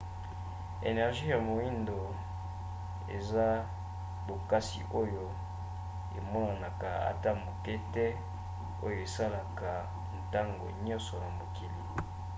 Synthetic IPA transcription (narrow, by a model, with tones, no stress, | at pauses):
ḛ˨nɛ˨ʁʒi˦ja˨mo˨i˦ndo˨ | ḛ˨za˦ | bo˨ka˦si˨ʔo˦jo˨ | e˨mɔ˦na˨na˨ka˨a̰˨ta˦mo˨kɛ˦tɛ˦ | o˦jo˨e˨sa˦la˨ka˨ | n˨ta˦ŋɡo̰˨ɲɔ̃˦nsɔ˨na˨mo˨ki˨lḭ˨